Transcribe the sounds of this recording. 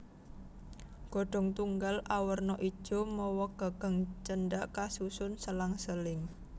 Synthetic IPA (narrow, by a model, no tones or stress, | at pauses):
ɡ̥ɔ̤ɖ̥ɔ̤ŋt̪uŋɡalʔawərnɔʔi̥ʒ̥ɔ̤mɔwɔɡ̥a̤ɡ̥a̤ŋt͡ʃənɖaʔkasusʊnsəlaŋsəlɪŋ